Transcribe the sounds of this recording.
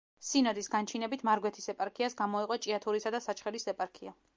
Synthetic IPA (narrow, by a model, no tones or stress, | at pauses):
sinɔd̪isɡant͡ʃʰinɛbit̪ʰmaɾɡwɛt̪ʰisɛpʼaɾkʰiasɡamɔiqʼɔt͡ʃʼiat̪ʰuɾisad̪asat͡ʃʰχɛɾisɛpʼaɾkʰia